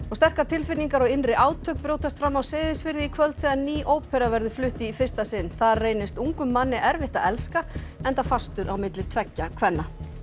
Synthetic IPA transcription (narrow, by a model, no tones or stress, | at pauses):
ɔɣst̪ɛr̥kat̪ʰɪlfɪniŋkaɾɔɣɪnrɪʔaːwt̪ʰœk̚pɾowt̪ast̪fɾamːawsɪːðɪsfɪɾðɪikʰvœlt̪θɛðaniːʔoːwpʰɛɾavɛɾðʏflʏht̪ɪifɪ̥st̪asɪnːθareːjnɪst̪uŋkʏmːanːɪʔɛɾvɪht̪aðɛlskaɛnt̪afast̪ʏɾʔawmɪt̪lɪt̪ʰvɛcːakʰvɛnːa